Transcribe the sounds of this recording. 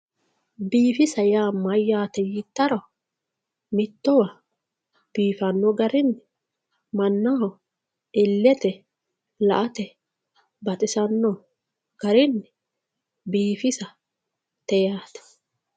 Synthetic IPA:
biːfɪsɐjaːmɐjːaːt̪ɛjɪt̪ːɐɾɔ | mɪt̪ːɔwɐ | b̥iːfɐnːɔɡɐɾɪnːɪ | mɐnːaɔ | ɪlːɛt̪ɛ | lɐ̰ʔɐt̪ɛ | bɐt̪ʼɪsɐnːɔ | ɡ̥ɐɾɪnː | biːfɪsɐ | t̪ɛjaːt̪ɐ̥

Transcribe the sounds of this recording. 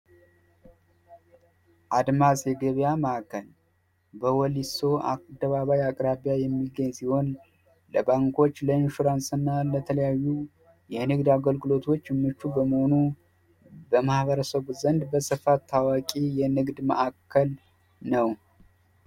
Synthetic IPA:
ʔad̪masʼjɛɡəβjaməʔakʰːəl | bəwɔliso̞a̰d̪əβaβajakʼɾaβjajɛmːiɡəɲːsiho̞n | ləbaŋko̞t͡ʃːləɨnʃuɾansɨnːalət̪ʰələjajːu | jɛnɨɡd̪aɡəlɡɨlo̞t̪ʰo̞t͡ʃːmːɨt͡ʃːubəməho̞nu | bəmahbəɾəsəβzənd̪bəsɨfat̪ʰːawakʼijɛnɨɡd̪mə̰ʔakʰːəl | nəw

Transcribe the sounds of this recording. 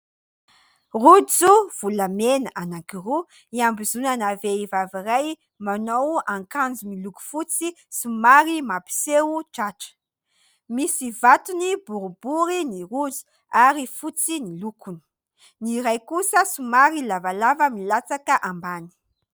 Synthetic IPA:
rud͡zuv̥ulamenaʔanaŋkiru | iambizunanaveivaviraj | manowaŋkand͡zumiluku̥fut͡si | sumaɾimapi̥sewuʈ͡ʂaʈ͡ʂə̥ | misivat̪unibuɾubuɾinirud͡zu̥ | aɾifut͡sinilukuni̥ | niɾajkusəsumaɾilavalavəmilat͡sakəʔambani̥

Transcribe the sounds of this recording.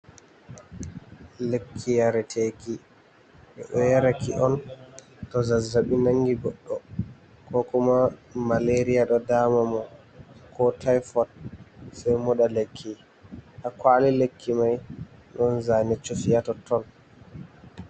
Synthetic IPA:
lekʰːijaɾɛtʰeki | ɓɛɗɔjaɾakiʔɔn | tɔzazːaɓinaŋɡiɡɔɗːɔ | kɔkumamaleɾijaɗɔdamamɔ | kʰɔtʰajfɔt̚sajmɔɗalekʰːi | hakwaːlilekʰːimajɗɔnzanɛt͡ʃːofijatɔtɔl

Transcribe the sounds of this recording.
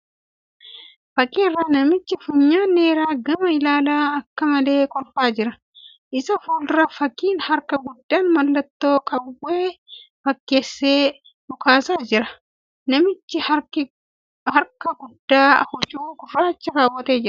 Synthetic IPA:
fɐkʼiːrːanɐmɪt͡ʃːɪfʊɲːaːneːɾaːɡɐmɐɪlaːlaːɐkːɐmɐle̞ːkɔlfaːd͡ʒɪɾɐ | ʔɪsɐfuːlɾɐfɐkːiːnhɐɾkɐɡʊd̪ːaːnmɐlːɐt̪ːo̞ːkʰʼɐwːeːfɐkːe̞ːsːeː | bʊkaːsaːd͡ʒɪɾɐ | nɐmɪt͡ʃːɪɐ | hɐɾkɐɡʊdːaːɐ̰hʊt͡ʃʼuːɡʊrːaːt͡ʃːɐɾaːwːɐt̪eːd͡ʒɪɐ

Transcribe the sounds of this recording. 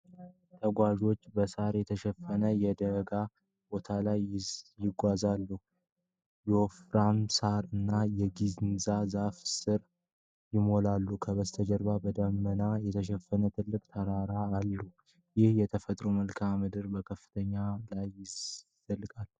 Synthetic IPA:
t̪ʰəɡʷaʒo̞t͡ʃːbəsaɾjɛt̪ʰəʃɛfːənəjɛd̪əɡa | bo̞t̪ʰalajjɪɡʷazalːu | jɛwofɾamsaɾɨnːajɛɡiznzazafsɨɾ | jɪmo̞lalːukʰəbəst̪ʰəd͡ʒəɾbabəd̪əmːənajɛt̪ʰəʃɛfːənət̪ʰɨlːɨkʼt̪ʰəɾaɾaːlːu | jɪhjɛt̪ʰəfət̪ʼɾoməlkʰamɨd̪ɨɾbəkʰəfːɨ̥t̪ʰəɲːalajːɪzzəlːkʼal

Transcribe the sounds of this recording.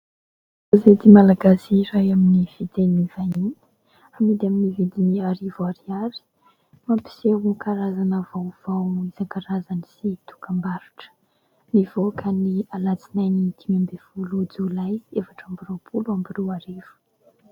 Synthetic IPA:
azed̪imalaɡasiɾajaminiv̥it̪enivaninə̥ | amid̪aminivid̪iniaɾivaɾiali̥ | mampi̥sewukaɾazanəvawv̥awizaŋkaɾazanisit̪u̥kambaɾuʈ͡ʂə̥ | nivokʰənialat͡sinajnit̪ʰimambev̥ulud͡zulaiziefaʈ͡ʂambiropʰuluambirewaɾevu̥

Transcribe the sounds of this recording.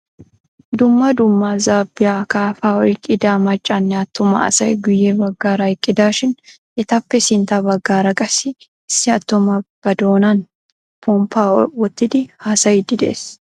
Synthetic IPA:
d̪ʊmːɐd̪ʊmːazaːbːɪjaːkaːfaːɔɪkʼɪd̪aːmɐt͡ʃʼːanːɪɐt̪ːʊmɐ̰ɐ̰sɐjɡʊjːebɐɡːaːɾɐɪkʼːɪd̪aːʃɪn | ʔɪt̪ɐpːɛsɪnt̪abɐɡːaːɾɐkʼɐsɪ | ɪsːɪɐt̪ːʊmɐb̥ɐd̪oːnan | pʰɔmpʰaːwɔt̪ːɪd̪ɪhaːsɐjɪd̪ɪd̪ḛːs

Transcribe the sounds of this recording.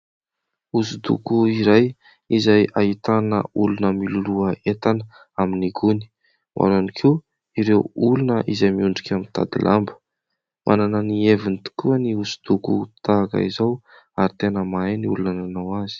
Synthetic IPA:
usud̪ṵkuiɾaj | izajaɦit̪anə̰ulunəmiluluəet̪anə | aminiɡuni̥ | mʔa̰ɾanikʰi | iɾewulunəʔizajmiuɳɖ͡ʐikʲamint̪a̰d̪ḭlʔambə̥ | mʔa̰nanənievint̪u̥kuəniusu̥d̪uku̥t̪aːkə̰izaw | aɾit̪enəmaeniulunananawazi̥

